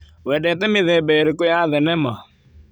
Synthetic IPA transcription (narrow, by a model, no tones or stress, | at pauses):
wɛdɛt̪̬ɛmɪðɛbeɾekʊjaðɛnɛma